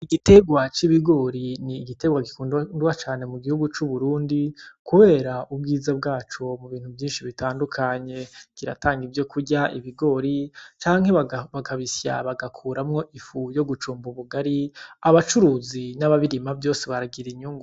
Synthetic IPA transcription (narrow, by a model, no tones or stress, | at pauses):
iɡite̞ɡwat͡ʃiβiɡo̞ɾiniːɡite̞ɡwaɡikuːnnduwat͡ʃaːne̞muɡihuɡut͡ʃuβuɾuːndikuβe̞ːɾaʔub̚ɡiːzab̚ɡaːt͡ʃo̞muβiːn̥uvjiːnʃiβitaːndukʰaɲe̞kiɾa̰taːŋɡivjo̞kʰuɟaʔiβiɡo̞ɾit͡ʃaːŋhe̞aβakaβisja̰βaɡakʰuːɾamŋo̞ʔifujo̞ɡut͡ʃuːmbuβuɡaɾiaβat͡ʃuɾuːzinaβaβiɾimavjo̞ːseβaɾaɡiɾiɲuːŋɡu